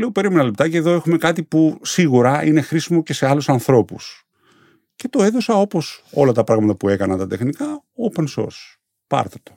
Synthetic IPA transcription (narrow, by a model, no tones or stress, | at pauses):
leope̞ɾimenɐle̞p̚t̪ɐceːðoe̞xume̞kɐt̪ipusiɣuɾɐine̞xɾisimo̞ce̞se̞ɐlusɐnθɾo̞pus | ce̞t̪o̞e̞ðo̞sɐo̞po̞so̞̰lɐt̪ɐpɾɐɣmɐt̪ɐpue̞kɐnɐnt̪ɐt̪e̞xnikɐ | openso̞̰ɾs | pɐ̰ɾt̪ɐt̪o̞̥